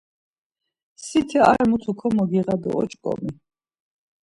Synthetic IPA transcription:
sit̪ʰɛa̰ɾmut̪ʰukʰɔmɔɡiʁab̪ɛ̰ɔ̰t͡ʃʼkʼɔ̰mi

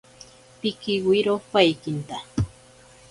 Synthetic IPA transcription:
pɪkɪwiɾopajkɪnt̪a

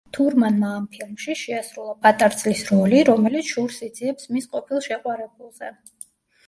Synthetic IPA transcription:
t̪ʰuɾmanmaːmpʰilˠmʃiʃɛasɾulˠapʰat̪ʼaɾt̪sʼlisɾɔliɾɔmɛlit̪sʰʃuɾsid̪ziɛpsmisqʼɔpʰilˠʃɛqʼwaɾɛb̚ulˠz̥ɛ

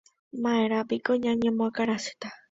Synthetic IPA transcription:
mãeɾapikoɲãɲẽmõakaɾasɨ̥t̪a

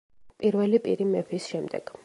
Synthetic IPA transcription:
pʼiɾvɛlipʼḭɾimɛpʰisʃɛmd̪ɛ̰ɡ̥

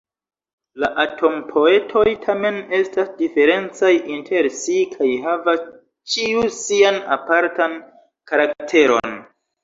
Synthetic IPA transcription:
laʔatʰo̞mpʰo̞e̞tʰo̞jtʰame̞ne̞stasdife̞ɾe̞nt͡sajintʰe̞ɾsikʰajɦavas | t͡ʃiusiana̰paɾtan | kaɾaktʰe̞ɾo̞̰n

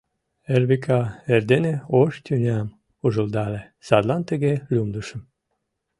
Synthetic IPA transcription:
erβikʰɑerd̪eneoʃt̪ʲynʲæm | uʒə̆ld̪ɑle | sɑd̪lɑnt̪əɣelʲumd̪əʃə̆m

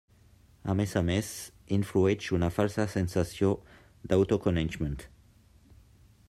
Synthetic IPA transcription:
a̰mesames | iɱfluent͡ʃunafalsasensasjo | d̪awt̪okonent͡ʃmẽnt̪

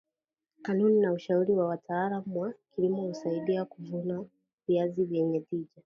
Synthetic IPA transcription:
kanuninauʃauɾiwawatʰaːlamwakilimɔhusaiɗiakuvuna | viazivjɛɲɛtiʄa

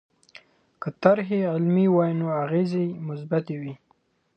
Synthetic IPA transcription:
kət̪aɾɦeɪlmiwajnoaɣezejmʊs̬bat̪ewi

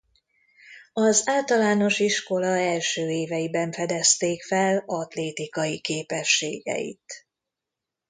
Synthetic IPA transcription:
ɒzaːlt̪ɒlaːno̞ʃiʃko̞lɒɛlʃøːeːvɛjibɛɱfɛd̪ɛst̪eːkfɛlɒt̪leːt̪ikɒjikeːpɛʃːḛːɡɛ̰jḭt̪

